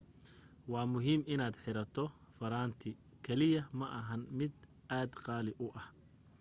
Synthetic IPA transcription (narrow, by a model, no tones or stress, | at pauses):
wɑːmʊɦiːmɪnaːd̪ħɪɾɐt̪ʰɔfɐɾaːnt̪ʰɪ | kʰɛlɪjɐmɐʔɐɦɐnmɪd̪ʔaːd̪qɑːlɪʔʊʔɐh